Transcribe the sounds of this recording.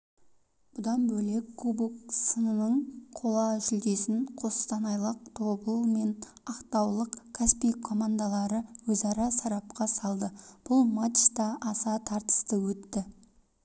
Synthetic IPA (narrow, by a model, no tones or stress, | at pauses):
b̥ʊd̪ɑnbɵle̞kʰːubɪksənənəɴqʰolˠɑʒɪlɡ̪ʲe̞sɪnqʰo̞sst̪ɑnɑjlˠəq̚t̪ʰo̞bəlˠme̞nɑqt̪ɑwlˠəqkʲʰæspijkʰːo̞mand̪alˠɑɾəwɵzɑɾɑsɑɾɑp̚qɑsɑlˠd̪əb̥ʊlˠmat̪t̪ɑʔːsɑt̪ʰɑɾt̪ə̥st̪əwɵt̪ːɪ